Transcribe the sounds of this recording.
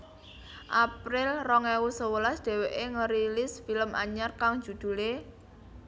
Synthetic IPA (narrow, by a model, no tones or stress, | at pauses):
ʔapɾɪlrɔŋɛwusəwəlasd̪̥ɛ̤weʔeŋəɾilɪsfiləma̰ɲarkaŋ̥d͡ʒ̥ṳd̪̥ṳle